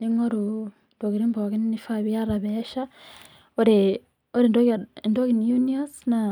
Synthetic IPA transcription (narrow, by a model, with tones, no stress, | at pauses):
ni˦ŋo˦ɾu | ndo˨ki˨ɾi˦mbo˨ki˦nni˦fa˦βi˦a˦ɾaβe˦ʃa | oɾe | o˦ɾe˨ndo˨ndo˦ki˨njuniasna